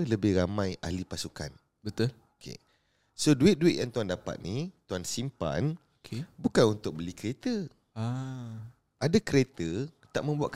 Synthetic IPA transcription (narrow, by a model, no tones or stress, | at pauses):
ləbɪhɾamãjʔa̰lipasuka̰n | bət̪ʊl | okʰḛ | soduɪt̪̚duɪt̪̚jaŋt̪uandapa̰t̪̚nit̪uansimpa̰n | kʰebukanunt̪ʊk̚bəlikəɾet̪ə | a | adakəɾet̪ət̪aʔ̚mə̃mbuaʔ̪k